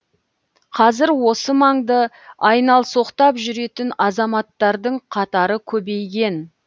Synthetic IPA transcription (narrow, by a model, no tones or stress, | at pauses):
qʰɑzɪɾwo̞səmɑɴd̪ə | ɑjnɑlˠso̞qt̪ɑpʒʏɾe̞t̪ɪnɑzɑmɑt̪ːɑɾd̪əɴqʰɑt̪ɑɾəkʲʰɵbe̞jɡʲe̞n